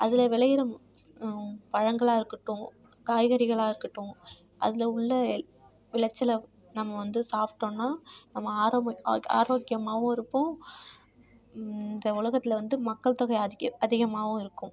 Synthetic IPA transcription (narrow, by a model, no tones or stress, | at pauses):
ɐðɪlɐʋɪɭɐjɪɾɐ | pɐɻɐŋɡɐɭaːɪɾɯkːɯʈːʊ̃ | kaːjɣɐɾɪɣɐɭaːɪɾɯkːɪʈːʊ̃ | ʔɐ̰ðɪlɐʊɭːɐ | ʋɪɭɐt͡ʃːɐlɐ | nɐmːɐʋɐnd̪ɯsaːpʈːõːnːaːnɐmːɐːɾa̰ːɾoːkɪjɐmaːʋʊ̃ɪɾɯpːʊ̃ | ɪnd̪ɐʊlɐɣɐt̪ːɪlɐʋɐnd̪ɯmɐkːɐɭt̪ɐɣɐɪɐɐðɪɣɐmaːʋʊ̃ɪɾɯkːʊ̃